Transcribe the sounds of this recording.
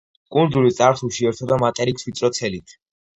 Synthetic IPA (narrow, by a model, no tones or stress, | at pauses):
kʼund̪zulit̪sʼaɾsuʃiɛɾt̪ʰɔd̪amat̪ʼɛɾikswit̪sʼɾɔt̪sʰɛlit̪ʰ